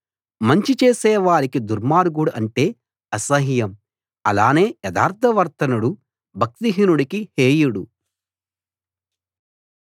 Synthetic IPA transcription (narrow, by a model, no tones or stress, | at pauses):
mɐɲt͡ʃit͡ʃeːsɛːʋaːɾikid̪uɾmaːɾɡuɽuɐɳʈe̞ː | ɐsɐɦijɐm | ɐ̰laːne̞ːjɐd̪a̰ːɾt̪ʰɐʋɐɾt̪ɐnuɽu | bʱɐk̚t̪iɦinuɽɐkiheːjuɽu